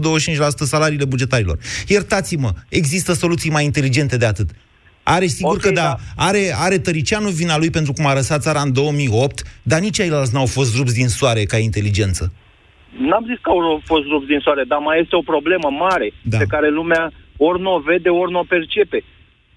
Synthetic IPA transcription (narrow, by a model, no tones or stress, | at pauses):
d̪o̞wəʃ̬t͡ʃint͡ʃʲlasu̥t̪əsalaɾiːle̞bud͡ʒe̞t̪aɾilo̞̰rje̞rt̪at̪siməe̞ɡzist̪əso̞lut̪sijmajint̪e̞lid͡ʒe̞nt̪e̞d̪e̞at̪ɨt̪ | a̰ɾe̞siɡurkəd̪aaɾe̞aɾe̞t̪əɾit͡ʃianuvinalujpe̞nt̪ɾukumaɾəsat̪t̪saɾaɨnd̪o̞wəmijo̞p̚t̪d̪anit͡ʃʲajlalt̪s̬ʲnuawfo̞st̪ɾubs̬d̪insaɾe̞kaint̪e̞lid͡ʒe̞nt̪sə | namziskəawfo̞st̪ɾubsd̪insoaɾe̞d̪amaje̞st̪eo̞pɾo̞ble̞məmaɾe̞d̪ape̞kaɾe̞lumeaornove̞d̪e̞ornope̞rt͡ʃe̞pe̞